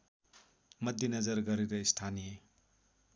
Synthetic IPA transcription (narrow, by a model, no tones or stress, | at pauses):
mʌd̪ːinɐzʌɾɡʌɾiɾɐistʰanije